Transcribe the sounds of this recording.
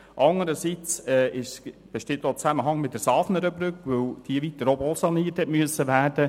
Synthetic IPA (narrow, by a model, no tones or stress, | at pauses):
ʔɑŋəɾəsit͡sɛːɪʃsb̥eʃtɪtːoːt͡sæməɦɑŋmɪt̚d̥əɾsɑːfnəɾəbɾʏkʋɵwd̥iəʋit̪ːəɾobɔlsɑniəthɛtmyəsːəʋæːɾd̥ə